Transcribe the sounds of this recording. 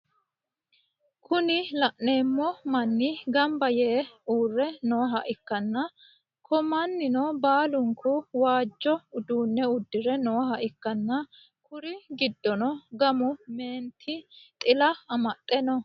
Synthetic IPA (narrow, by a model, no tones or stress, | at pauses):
kʰʊnɪlɐʔneːmːɔmɐnːɪɡɐmbɐjeːuːrːɛnoːɦɐʔɪkːɐnːɐ | kʰɔmɐnːɪnɔbaːlʊŋkʊwaːd͡ʒːɔʊd̪uːnːɛʊd̪ːɪɾɛnoːɦɐʔɪkːɐnːɐ | kʊɾɪɡɪd̪ːɔnɔɡɐmʊme̞ːnt̪ʰɪt̪ʼɪlɐɐmɐt̪ʼːɛnɔ